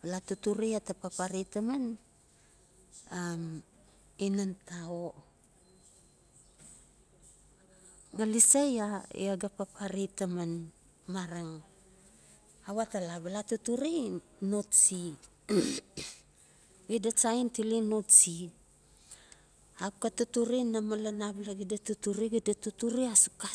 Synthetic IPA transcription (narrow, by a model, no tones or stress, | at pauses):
balatutuɾiatapapaɾitaman | am | inantao | ŋalisajaḭaɡapapʰaɾitaman | maɾaŋ | awatalaβalatutuɾi | notsi | ɡidat͡ʃaintilinotsi | ap̚katutuɾinamalanablaɡidatutuɾiɡidatutuɾiasu̥ka